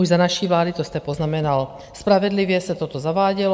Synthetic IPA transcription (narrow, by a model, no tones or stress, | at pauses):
uʒzanaʃivlaːd̪it̪ɔst̪ɛpoznamɛnal | spɾavɛd̪liʋɪɛsat̪ɔt̪ɔzaʋaːɟɛl